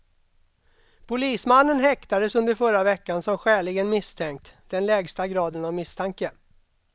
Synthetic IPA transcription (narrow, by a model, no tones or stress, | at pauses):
pʰʊliːsmanːənɦɛkt̪ad̪əsɵnd̪əɾfœɾavɛkːansɔmɧɛːɭɪɡənmɪst̪ʰɛŋk̚t̪d̪̥ɛnlɛːɡst̪aɡɾɑːd̪ənavmɪst̪ʰaŋkə